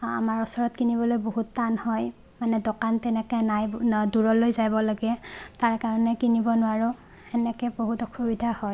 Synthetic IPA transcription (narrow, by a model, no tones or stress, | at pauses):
a̰maɹɔsɔɹɔtkinibɔlojboɦutːanhɔj | manɛdɔkantɛnɛkɛnajduɹɔlojzajbɔlaɡɛtaɹkaɹɔnɛkinibɔnʊwaɹʊ | ɛnɛkɛboɦutɔkʰubidʱahɔj